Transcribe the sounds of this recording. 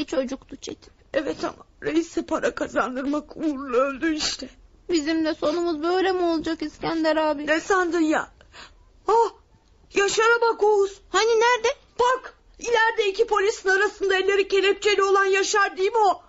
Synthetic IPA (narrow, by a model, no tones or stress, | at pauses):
it͡ʃʰo̞d͡ʒukt̪ut͡ʃʰḛt̪ʰi̥ | ɛvɛt̪ʰa̰maɾejisɛpʰaɾʔakʰazand̪ɯɾmakuɾunølʲd̪yiʃt̪ʰɛ | bizimd̪ɛso̞numuzbø̞jlʲemuo̞lˠud͡ʒakiz̥cænd̪ɛɾaːbinesand̪ɯnja̰ | a | jaʃaɾabakouz̥haninæɾd̪ɛ | bak | ilʲæɾd̪ɛicipo̞lʲisinaɾasɯnd̪aelʲːe̞ɾice̞lʲɛp̚t͡ʃʰe̞lʲio̞lˠanjaʃaɾd̪ɯjmo